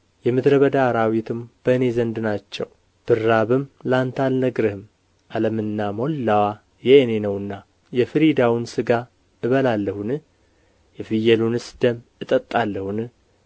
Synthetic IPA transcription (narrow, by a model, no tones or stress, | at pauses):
jɛmɨd̪ɾəβəd̪aːɾawit̪ʰɨmb̥əɨne̞zənd̪nat͡ʃːɛ̰w | b̥ɨrːaβɨmlant̪ʰalnəɡɾɨhɨm | ʔaləmɨnːamo̞lːawa | jɛenenəwɨnːa | jɛfɨɾid̪awɨnsɨɡa | ɨβəlalːəhunɨ | jɛfɨjɛlunɨsd̪əm | ɨt̪ʼət̪ʼːalːəhunɨ